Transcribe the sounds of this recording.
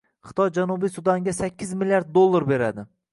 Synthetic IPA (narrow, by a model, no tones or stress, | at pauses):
χɨ̥t̪ʰɒjd͡ʒanubisʊd̪aŋɡʲasakʲʰːɪzmɪljaɾd̪̚ːolˠːaɾbe̞ɾa̰d̪ɪ